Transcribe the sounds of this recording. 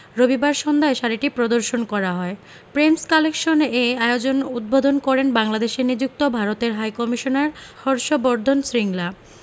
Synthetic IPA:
ɾobibaɾʃɔnd̪ʱaeʃaɾiʈipɾod̪oɾʃonkɔɾaɦɔe | pɾemskalekʃoneaeod͡ʑonud̪̚bod̪ʱonkɔɾenbaŋlad̪eʃeɾnid͡ʑuk̚t̪obʱaɾot̪eɾɦajkɔmiʃonaɾhɔɾʃobɔɾd̪ʱonsɾiŋla

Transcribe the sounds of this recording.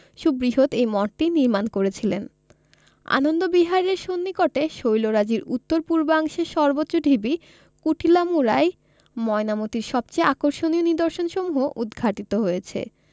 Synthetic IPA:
ʃubɾiɦot̪ejmɔʈ̚ʈiniɾmankoɾet͡ɕʰilen | a̰nond̪obiɦaɾeɾʃonːikɔʈeʃojloɾad͡ʑiɾut̪ːoɾpuɾbaŋʃeʃɔɾbotːɕːoɖʱibi | kuʈʰilamuɾaj | mɔenamot̪iɾʃɔb̚t͡ɕajakoɾʃonioniɾd̪oɾʃonʃomuɦoʔud̪ɡʰʱaʈit̪oɦojet͡ɕʰḛ

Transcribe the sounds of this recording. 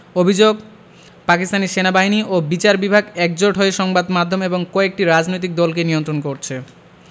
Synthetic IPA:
obʱid͡ʑoɡ | pakist̪aneʃenabaɦiniʔobit͡ɕaɾbibʱaɡɛk̚d͡ʑoʈɦoeʃɔŋbad̪mad̪ʱːomeboŋkɔek̚ʈiɾad͡ʑnojt̪̬ik̚d̪ɔlkenijont̪ɾonkoɾt͡ɕʰe

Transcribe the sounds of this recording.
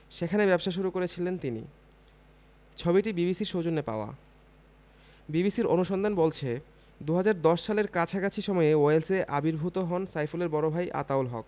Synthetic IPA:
ʃekʰanebɛbʃaʃ̬uɾukoɾet͡ɕʰilent̪inḭ | t͡ɕʰobiʈibibisiɾʃod͡ʑonːepa̰oa̰ | bibisiɾonuʃɔnd̪ʱanbolt͡ɕʰe | d̪uɦad͡ʑaɾd̪ɔʃʃaleɾkat͡ɕʰakat͡ɕʰiʃɔmɔjeoelseʔabiɾbʱut̪oɦɔnsajfuleɾbɔɾobʱajʔa̰t̪aolɦɔ̰k

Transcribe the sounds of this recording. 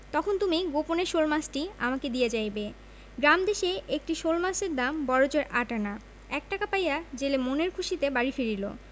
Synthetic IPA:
t̪ɔkʰont̪umiɡoponeɾʃolmasʈiamaked̪ijed͡ʑajbe | ɡɾamd̪eʃeʔek̚ʈiʃolmaseɾd̪ambɔɾod͡ʑoɾʔaʈana | ɛk̚ʈakapajad͡ʑelemoneɾkʰuʃit̪ebaɾifiɾilo̰

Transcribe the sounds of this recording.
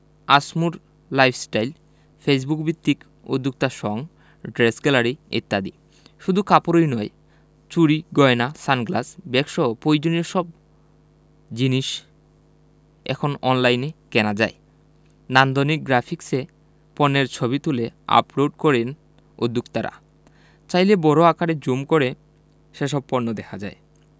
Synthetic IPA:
asmuɾ | lajpʰsʈajl | fes̬bukbit̪ːik | o̰d̪ʱːuk̚t̪aʃɔŋ | ɖɾesɡɛlaɾiḛt̪ːad̪ḭ | ʃud̪ʱukapoɾojnɔj | t͡ɕuɾiɡɔenasanɡlasbɛkʃopojd͡ʑonioʃɔb̚ | d͡ʑiniʃ | ɛ̰kʰonɔnlajnekɛnad͡ʑae | nand̪onik̚ɡɾapʰikse | pɔnːeɾt͡ɕʰoβit̪ulea̰ploɖkɔɾen | o̰d̪ʱːukt̪aɾa̰ | t͡ɕajlebɔɾoakaɽed͡ʑomkoɾe | ʃeʃɔb̚poɾnːod̪ɛkʰad͡ʑae

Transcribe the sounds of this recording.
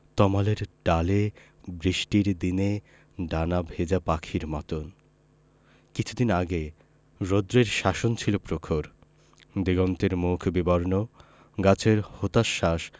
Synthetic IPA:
t̪ɔmaleɾɖale | bɾiʃʈiɾd̪ine | ɖanabʱed͡ʑapakʰiɾmat̪on | kit͡ɕʰud̪inaɡe | ɾod̪ɾeɾʃaʃont͡ɕʰilopɾokʰoɾ | d̪iɡɔnt̪eɾmukʰbibɔɾno | ɡat͡ɕʰeɾhot̪aʃːaʃ

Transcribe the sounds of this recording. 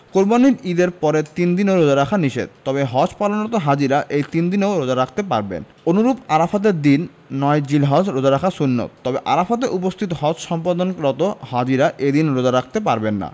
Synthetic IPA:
koɾbaniɾid̪eɾpɔɾet̪ind̪inoɾod͡ʑaɾakʰaniʃḛd̪̚t̪ɔbeɦɔt͡ɕpalonɾɔt̪oɦad͡ʑiɾaʔejt̪ind̪inoɾod͡ʑaɾakʰt̪epaɾbḛn | onuɾupaɾafat̪̬eɾd̪inː | ɔed͡ʑilɦad͡ʑɾod͡ʑaɾakʰasunːo̰t̪t̪ɔbeʔa̰ɾafat̪̬eʔupost̪ʰit̪oɦɔt͡ɕʃɔmpad̪onɾɔt̪ohad͡ʑiɾaʔed̪inɾod͡ʑaɾak̚ʰt̪epaɾbenːa̰

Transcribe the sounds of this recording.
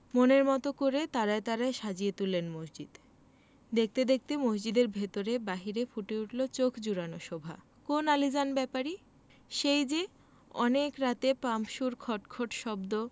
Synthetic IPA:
moneɾmɔt̪okoɾet̪aɾaet̪aɾaeʃad͡ʑiet̪ulːenmosd͡ʑid̪̥ | d̪ek̚ʰt̪ed̪ek̚t̪emosd͡ʑid̪eɾbʱet̪oɾebaɦiɾefuʈeuʈlot͡ɕokʰd͡ʑuɾanoʃɔbʱa | konalid͡ʑanbɛpaɾi | ʃejd͡ʑe | ɔnekɾat̪epampʃuɾkʰɔʈkʰoʈʃɔbd̪o

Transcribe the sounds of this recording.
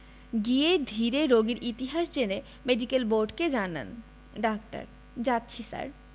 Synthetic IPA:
ɡied̪ʱiɾeɾoɡiɾʔit̪iɦaʃd͡ʑene | meɖikelboɾɖked͡ʑana̰n | ɖak̚ʈa̰ɾ | d͡ʑat̪ːɕʰisa̰ɾ

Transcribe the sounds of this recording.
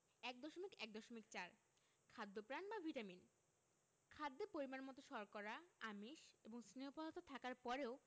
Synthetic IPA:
ɛk̚d̪ɔʃomikɛk̚d̪ɔʃomik̚t͡ɕaɾ | kʰad̪ːopɾanbabʱiʈamin | kʰad̪ːepoɾimanmɔt̪oʃɔɾkɔɾaamiʃeboŋsiniɦopalat̪ot̪ʰakaɾpɔɾeo

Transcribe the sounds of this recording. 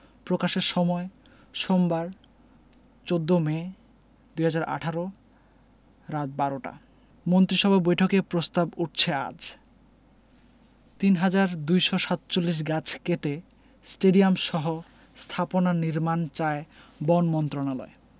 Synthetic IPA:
pɾokaʃeɾʃɔmɔe | ʃombaɾ | t͡ɕod̪ːome | d̪ujɦad͡ʑaɾa̰ʈʰaɾo | ɾat̪̚baɾoʈa̰ | mont̪ɾiʃɔbʱabojʈʰokepɾost̪abuʈ̚t͡ɕʰea̰d͡ʑ | t̪inɦad͡ʑaɾd̪ujʃoʃat̪t͡ɕolːiʃ̬ɡat͡ɕʰkeʈe | sʈeɖiamʃɔɦo | st̪ʰaponaniɾmant͡ɕaebɔnmɔnt̪ɾonalɔ̰e

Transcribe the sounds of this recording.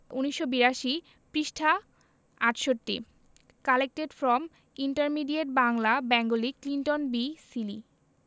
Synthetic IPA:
uniʃːobiɾaʃi | pɾiʃʈʰa | aʈʃoʈːḭ | kalek̚ʈeɖfɾɔm | iɳʈaɾmiɖieʈ̚baŋlabɛŋɡoliklinʈonbisilḭ

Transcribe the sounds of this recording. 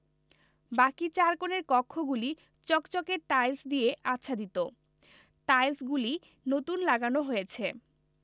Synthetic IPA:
bakit͡ɕaɾkoneɾkɔkʰːoɡuli | t͡ɕɔkt͡ɕokeʈajsd̪ieʔatːʃʰad̪it̪o | ʈajsɡuli | not̪unlaɡanoɦojet͡ɕʰe

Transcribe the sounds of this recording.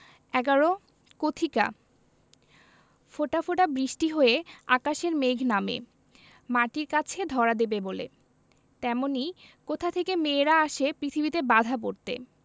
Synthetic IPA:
ɛɡaɾo | kot̪ʰika̰ | foʈafoʈabɾiʃʈiɦoeakaʃeɾmeɡʱnamḛ | maʈiɾkat͡ɕʰed̪ʱɔɾad̪ebebolḛ | t̪ɛmonikot̪ʰat̪ʰekemeɾaaʃepɾit̪ʰibit̪ebad̪ʱap̬oɾt̪ḛ

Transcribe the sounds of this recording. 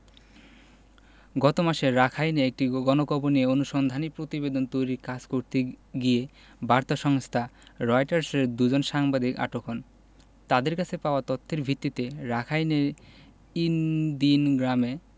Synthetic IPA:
ɡɔt̪omaʃeɾakʰajneek̚ʈiɡɔnokɔbonieonuʃond̪ʱanipɾot̪ibed̪ont̪ojɾiɾkad͡ʑkoɾt̪eɡie | baɾt̪aʃɔŋst̪ʰaɾɔjʈaɾseɾd̪ud͡ʑonʃaŋbad̪ika̰ʈokʰɔn | t̪ad̪eɾkat͡ɕʰepaoat̪ɔt̪ʰːeɾbʱit̪ːit̪eɾakʰajneɾ | ind̪inɡɾame

